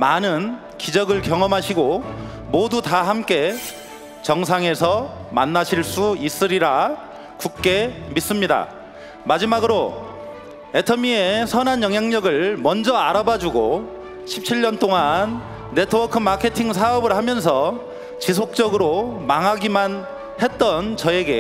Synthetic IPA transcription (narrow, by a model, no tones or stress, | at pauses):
manɯn | kid͡ʑʌɡɯɭkjʌŋʌmɦaɕʰiɡo | modutahamk͈e̞ | t͡ɕʌŋs̬ʰaŋe̞sʰʌma̰nːaɕʰiɭs͈uis͈ɯɾiɾa | kuk̚k͈e̞mis͈ɯmɲida̰ | mad͡ʑimaɡɯɾo | e̞tʰʌmiesʰʌnanjʌŋɦjaŋɲʌɡɯɭmʌnd͡ʑʌaɾabad͡ʑuɡo | ɕʰip̚t͡ɕʰiɭɲʌnt͈oŋanː | e̞tʰɯwʌkʰɯmakʰe̞tʰiŋs̬ʰaʌbɯɭhamjʌns̬ʰʌ | t͡ɕis̬ʰok̚t͡ɕ͈ʌɡɯɾomaŋɦaɡiman | he̞t̚t͈ʌnt͡ɕʌe̞ɡe̞̰